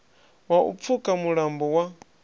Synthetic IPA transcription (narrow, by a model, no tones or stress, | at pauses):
waṵp̪fukʼamuɺambɔwa